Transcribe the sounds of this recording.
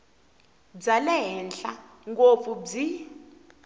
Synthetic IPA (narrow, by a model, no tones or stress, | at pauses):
d͡zalɛɦɛnɬa̰ | ŋɡop̪fub͡ʐi